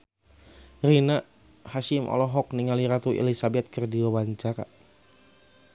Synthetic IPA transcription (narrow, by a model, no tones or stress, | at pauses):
rina | haʃɪmʔɔ̰lɔɦɔk̚niŋaliɾat̪uʔḛlisabɛt̪̚kərdiwawaɲt͡ʃaɾa̰